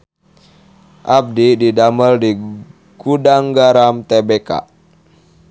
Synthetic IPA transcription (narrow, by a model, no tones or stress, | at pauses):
ʔab̚dididaməldi | ɡ̥udaŋɡaɾamt̪ebeka̰